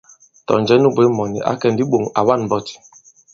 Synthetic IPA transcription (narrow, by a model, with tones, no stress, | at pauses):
tɔ̰˨n˨d͡ʒɛ˦nu˦be˦mɔ˨nḭ˨ʔa̰˦kɛ˦n˨di˦ɓo˨ŋa˨wa˦n˨bɔ˦ti̥˨